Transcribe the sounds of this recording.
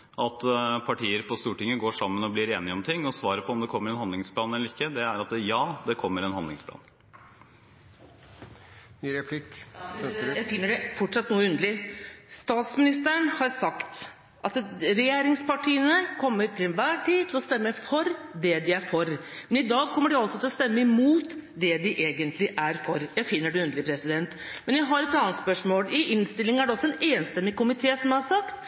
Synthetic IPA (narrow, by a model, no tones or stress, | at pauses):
ʔɑt̪pʰɑʈiːəɾpʰɔst̪uːʈɪŋːəɡoːʂɑmːənɔblɪɾeːnɪɔmt̪ʰɪŋːɔsʋɑːɾəpʰɔɔmd̪ɛkʰɔmːəɾɛnhɑnd̪lɪŋspʰlɑːnɛlːəɾɪkːəd̪ɛæɾɑt̪jɑːd̪ɛkʰɔmːəɾɛnhɑnd̪lɪŋspʰlɑ̰ːn | ɾɛpʰlɪk | jæɪfɪnːəɖɛfɔʈʂɑt̪ːnuːəʉnd̪əlɪst̪ɑːt̪smɪnɪst̪əɳhɑɾsɑkt̪ | ʔɑt̪ɾɛjeːɾɪŋspʰɑʈʰiːənəkʰɔmːəɾt̪ʰɪlɛnʋæːʈʰiːt̪ʰɪlɔst̪ɛmːəfɔɾd̪ɛd̪ɪæɾfɔɾmɛnɪd̪ɑːɡ̚kʰɔmːəɖɪɑlsɔt̪ʰɪlɔst̪ɛmːəɪmuːt̪d̪ɛd̪ɪʔeːɡənt̪ʰlɪʔæɾfɔɾjæɪfɪnːəɖɛʉnd̪lɪpʰɾɛsɪd̪ɛnt̪ | mɛnjæɪɦɑɾɛt̪ɑnət̪spœʂmoːlɪʔɪnst̪ɪlːɪŋæɖɛɔsːɔɛneːnst̪ɛmːɪkʊmɪt̪ʰeːsɔmjæhɑɾʂɑkt̪